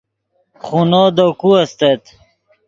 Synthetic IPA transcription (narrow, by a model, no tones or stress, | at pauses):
χunod̪okuɐst̪et̪